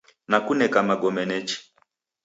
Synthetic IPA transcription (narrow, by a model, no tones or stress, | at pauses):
nakunɛkamaɡɔmɛnɛt͡ʃi̥